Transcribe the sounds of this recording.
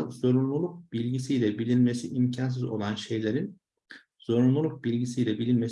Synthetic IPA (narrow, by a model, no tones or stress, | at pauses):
zo̞ɾunlˠulˠuk̚bilʲɟisijlʲɛbilʲinme̞siʔimcʰans̬izo̞̰lˠanʃe̞jlʲe̞ɾin | z̥o̞ɾunlˠulˠuk̚bilʲɟisijlʲɛbilʲinmes